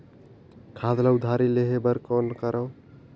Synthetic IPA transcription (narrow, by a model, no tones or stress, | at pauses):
kʰaːd̪laʊd̪ʱaːɾileɦebəɾkoːnkəɾʔəː